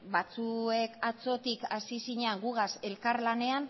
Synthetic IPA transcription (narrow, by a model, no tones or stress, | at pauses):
bat͡sue̞kat͡so̞t̪ikasisiɲeaŋɡuɣ̞ase̞lkaɾlane̞an